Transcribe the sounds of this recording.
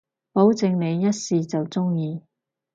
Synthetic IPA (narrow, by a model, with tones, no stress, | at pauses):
po˨˥wt͡sɪ˧ŋne˨˧jːɐ˥t̚siː˧t͡sɐ˨wt͡sʊ˥ŋjiː˧